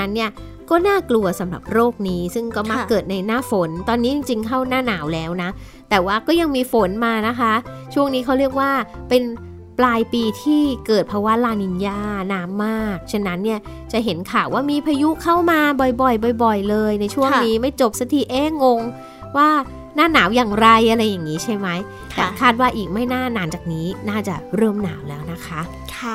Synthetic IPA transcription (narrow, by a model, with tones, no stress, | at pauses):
a˦˥nːi˥˩ɐ | kɔː˥˩naː˥˩klu˧ɐsa˩˦mɾa̰˨˩p̚ɾoː˥˩k̚niː˦˥sɯ˥˩ŋkɔː˥˩ma˦˥kːɤː˨˩t̪̚na˧jnaː˥˩fo˩˦nt̪ɔː˧nːiː˦˥t͡ɕi˧ŋt͡ɕi˧ŋkʰa˥˩wnaː˥˩naː˩˦wlɛː˦˥wna˦˥ | t̪ɛː˨˩waː˥˩kɔː˥˩ja˧ŋmiː˧fo˨˩˦nmaː˧na˦˥kʰa˦˥t͡ɕʰu˥˩əŋniː˦˥kʰa˦˥wɾi˥˩ək̚waː˥˩pe˧n | plaː˧jpiː˧t̪ʰiː˥˩kɤː˨˩t̪̚pʰɔ˧wa˦˥laː˧ni˧njaː˥˩naː˦˥mːaː˥˩k̚t͡ɕʰe˧nːa˦˥nːi˥˩ɐ | t͡ɕa˨˩ʔɦe˩˦nkʰaː˨˩wʔaː˥˩miː˧pʰa˧ju˦˥kʰa˥˩wmaː˧bɔ˨˩jbɔ˨˩jbɔ˨˩jbɔ˨˩jlɤː˧jna˧jt͡ɕʰu˥˩əŋniː˦˥ma˥˩jt͡ɕo˨˩p̚sa˧˦t̪ʰiː˨˩ʔeː˦˥ŋo˧ŋ | waː˥˩ | naː˥˩naː˩˦wjaː˨˩ŋɾa˧jʔa˧ɾa˧jːa˨˩ŋːiː˦˥t͡ɕʰa˥˩jma˦˥j | k̪ʰɛ˨˩kʰaː˥˩t̪̚waː˥˩ʔiː˨˩k̚ma˥˩jnaː˥˩naː˩˦nt͡ɕaː˨˩k̚niː˦˥naː˥˩t͡ɕa˨˩ɾɤː˥˩mna̰ː˩˦wlɛ̰ː˦˥wna˦˥kʰa˦˥ʔ | kʰ